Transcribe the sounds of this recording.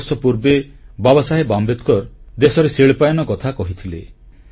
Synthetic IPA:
sɔpuɾbebabɔsaɦebambet̪kɔɾd̪esɔɾeseɭpajɔnɔkɔt̪ʰakɔɦit̪ʰile

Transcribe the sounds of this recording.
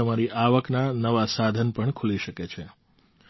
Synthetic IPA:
əmaɾiʔaʋəknanəʋasad̪ʱənpəɳkʰuliʃəket͡ʃʰe

